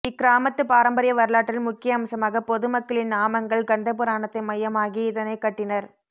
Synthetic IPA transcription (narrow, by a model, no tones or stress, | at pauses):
ɪkːɪɾaːmɐt̪ːɯpaːɾɐmbɐɾɪjɐʋɐɾɯɭaːʈːɪlmʊkːɪjɐːmsɐmaːɣɐpɔðɯmɐkːɐɭɪnnaːmɐŋɡɐɭɡɐnd̪ɐpɯɾaːnɐt̪ːɐɪmɐjɐmaːɣiɪðɐnɐɪkːɐʈːɪnɐɾ